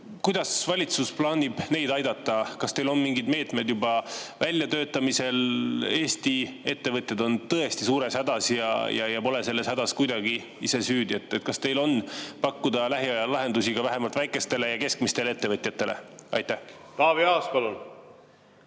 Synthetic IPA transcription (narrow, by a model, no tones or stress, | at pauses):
kujd̪̥ɑsvɑlʲit̪susplɑːnʲib̥ne̞jd̪ɑjd̪̥ɑt̪ˑːɑkɑst̪e̞jlo̞nmiŋɡid̪me̞ːt̪ˑme̞jd̪jubɑvælʲjɑt̪ø̞ːt̪ːˑɑmise̞le̞ːst̪ie̞t̪ːe̞vɤt̪ʲˑjɑd̪o̞nt̪ɤest̪isuːɾe̞shæd̪̥ɑsjɑ̰jʔɑ̰jɑpo̞le̞se̞lːe̞shæd̪ɑskujd̪ɑɡ̥i | ise̞syːd̪jet̪ːˑet̪̚ːkɑst̪e̞jlo̞npɑkːud̪̥ɑlæɦiɑjɑlɑɦe̞nd̪usiɡ̥ɑvæɦe̞mɑlt̪væjkˑe̞st̪e̞le̞jɑke̞skmist̪eleet̪ːe̞vɤt̪ʲjɑt̪ːˑe̞lʔe̞̰ɑ̰jt̪ːˑæht̪ɑːviɑːspɑlun